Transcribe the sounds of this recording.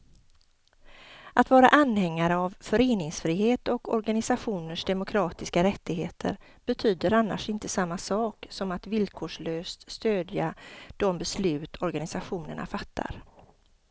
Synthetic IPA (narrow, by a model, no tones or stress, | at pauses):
ʔat̪vɑːɾa̰ʔanhɛŋːaɾəavfœɾeːnɪŋsfɾiːheːt̪ɔkɔ̰ɾɡanɪsaɧuːnəʂd̪ɛmʊkʰɾɑːt̪ɪskaɾɛt̪ːɪɡɦeːt̪ʰə̰ɾ | b̥ɛt̪ʰyːd̪əɾanːa̰ʂɪnt̪əsamːasɑːksɔmat̪vɪlkʰoːʂɭøːst̪st̪øːd̪jad̪̥ɔmbɛslʉ̟ːt̪ʰɔɾɡanɪsaɧuːnə̰ɳa̰fat̪ʰːa̰ɾ